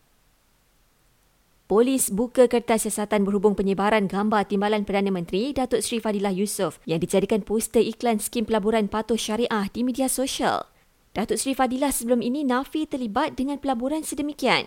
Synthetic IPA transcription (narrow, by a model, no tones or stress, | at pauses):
polisbukəkərt̪asiasat̪anbərhubʊŋpəɲəbaɾanɡambart̪imbalanpərdanãmə̃nt̪ɾidat̪ʊtsɾifadilahjusʊfjaŋdid͡ʒadikanpust̪əʔiklanskimpəlabuɾanpat̪ʊʃaɾiʔahdimidiasoʃa̰l | d̥at̪ʊʔsɾifadilahsəbəlʊminĩnãfit̪ərlibat̪̚dəŋãnpəlabuɾansədəmikia̰n